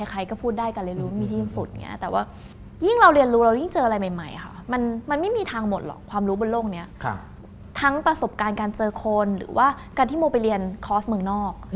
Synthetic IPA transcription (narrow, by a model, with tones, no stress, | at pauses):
a˧˩jkʰa˧jkɔː˥˩pʰuː˥˩t̪̚daː˥˩jka˧nɾi˧ənɾuː˦ma˥˩mi˧t̪ʰiː˥˩˧ŋsu˨˩t̪̚ŋḭ˦˥ɐt̪ɛː˨˩waː˥˩ | ji˥˩ŋɾa˧wɾi˧ənɾuː˦˥ɾa˧wji˥˩ŋt͡ɕɤː˧ʔa˧ɾa˧jma˨˩jma˨˩jʔkʰa̰˥˩ma˧nma˧nma˥˩jmiː˧t̪ʰaː˧ŋmo˨˩t̪̚lɔ̰˨˩kʰwaː˧mɾuː˦˥bo˧nloː˥˩k̚ni˦˥ɐ˧ | t̪ʰa˦˥ŋpɾa˧so˨˩p̚kaː˧nkaː˧nt͡ɕɤː˧kʰo˧nɾɯ̰ː˩˦waː˥˩ | kaː˧nt̪ʰiː˥˩moː˧pa˧jli˧ənkʰɔː˦˥smɯ˧ŋnɔː˥˩k̚